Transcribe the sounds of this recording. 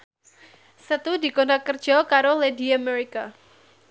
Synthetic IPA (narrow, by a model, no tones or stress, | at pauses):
sət̪udikondakərd͡ʒʒ̥ɔkaɾolediameɾika